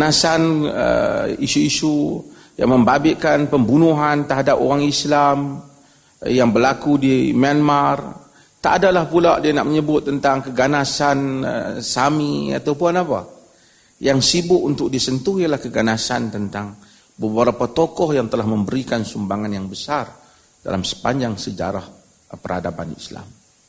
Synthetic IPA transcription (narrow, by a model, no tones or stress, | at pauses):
nasanə̰isuisu | ja̰ŋməmbabɪʔkanpəmbunuɦant̪əɦadapoɾaŋislam | jaŋbərlakudimianmar | t̪aʔːdalahpuladianaʔ̚məɲəbʊt̪̚ːənt̪aŋkəɡanasanə̰samia̰t̪awpuanapa̰ | jaŋsibʊʔunt̪ʊk̚disənt̪uhijalahkəɡanasa̰nt̪ənt̪aŋ | bəbəɾapat̪okɔhjaŋt̪əlahməmbəɾikansumbaŋanjaŋbəsar | da̰lamsə̥paɲd͡ʒaŋsəd͡ʒa̰ɾah | pərha̰dapanisla̰m